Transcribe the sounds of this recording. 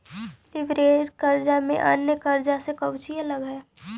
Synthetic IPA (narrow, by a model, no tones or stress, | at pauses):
lɪʋɾeːd͡ʒkəɾd͡ʒamḛ̃ʔa̰nːəkəɾd͡ʒasekəwt͡ʃialəɡɦɛ